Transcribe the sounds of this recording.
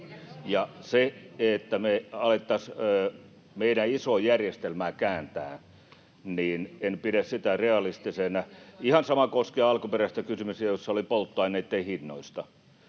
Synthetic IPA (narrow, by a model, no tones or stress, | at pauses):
jɑseet̪ːæmeɑlet̪ːɑsøː | meiɾæisojærjest̪elmæːkæːnt̪æː | niːnenpiɾæssit̪æreɑlist̪isenæihɑnsɑmɑkoskieɑɑlkuperæst̪ækysymysiæjosːɑolipolt̪ːoɑineːt̪ːeihinːoist̪ɑ